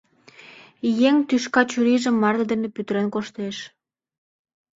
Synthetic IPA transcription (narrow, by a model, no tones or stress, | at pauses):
jeŋt̪yʃkɑt͡ɕuɾiʒə̆mːɑrd̪əd̪enĕpyt̪ɾenkoʃt̪eʃ